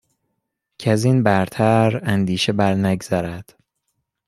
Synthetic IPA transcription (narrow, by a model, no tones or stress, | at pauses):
cʰeæzinbæɾt̪ʰæɾænd̪iːʃebæɾnæɡz̥æɾæd̪̥